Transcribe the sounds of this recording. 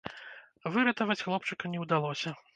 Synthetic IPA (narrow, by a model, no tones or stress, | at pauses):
vɨɾɐt̪ɐvɐt͡sʲxlˠɔpt͡ʂɨkɐnʲɛwd̪alˠɔsʲɐ